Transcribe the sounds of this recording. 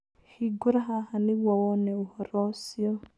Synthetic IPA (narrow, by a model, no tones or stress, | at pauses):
hiɡʊɾaɦahaniwawɔnɛʊhɔɾɔsiɔ